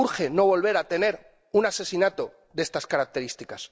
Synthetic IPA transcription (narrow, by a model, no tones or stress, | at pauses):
uɾxe̞no̞βo̞lβe̞ɾat̪e̞ne̞ɾ | unase̞sinat̪o̞ | ðe̞st̪askaɾak̚t̪e̞ɾist̪ikas